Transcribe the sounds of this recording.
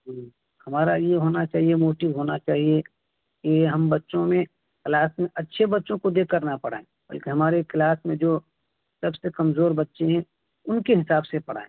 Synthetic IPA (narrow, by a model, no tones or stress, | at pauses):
ɦ | hɐmaːɾajeɦoːnat͡ʃaːɦiemoːʈɪʋɦoːnat͡ʃaːɦie | keɦɐmbɐtːʃõmẽ | klaːsmẽʔɐtːʃʰebɐtːʃõkod̪eːkkːəɾnapɐɽ̤a̰ːẽːbɐ̰lkeɦɐmaːɾeklaːsmẽd͡ʒoː | sɐbsekɐmzoːɾbɐtːʃeɦɛ̃ | ʊnkeɦɪsaːbsepɐɽ̤a̰ːḛ̃ː